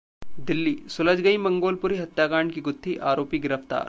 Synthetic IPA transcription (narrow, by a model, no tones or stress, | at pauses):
d̪ɪlːiːsʊləd͡ʒɡɐimɐ̃ŋɡoːlpʊɾiɦɐt̪jaːkaːɳɖkiɡʊt̪ʰːiʔaːɾoːpiɡɪɾəft̪a̰ːɾ